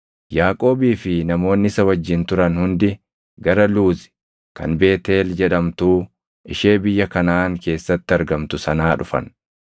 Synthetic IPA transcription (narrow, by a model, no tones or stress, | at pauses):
jaːkʼo̞ːbiːfɪnɐmo̞ːnːɪɪsɐwɐd͡ʒːɪnt̪ʊɾɐnhʊnd̪ɪ | ɡɐɾɐluːzɪ̥ | kɐ̰nbe̞ːt̪e̞ːld͡ʒɛᶑɐmt̪uː | ɪʃe̞ːbɪjːɐkɐnaːŋke̞ːsːɐt̪ːɪɐɾɡɐmt̪ʊsɐnaːᶑʊfɐ̰n